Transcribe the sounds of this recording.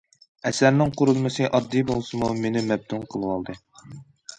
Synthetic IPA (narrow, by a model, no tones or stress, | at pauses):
ɛsæɾnɪŋqʰʊɾulˠmɨsɨʔɑd̪ːibolˠsɨmumenɪmɛb̚d̪unqʰəlˠɨwɑlˠd̪ɨ